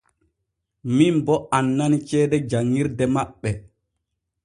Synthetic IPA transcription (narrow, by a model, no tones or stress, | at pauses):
mimbɔʔanːanit͡ʃɛːdɛd͡ʒaŋːiɾdɛmaɓːɛ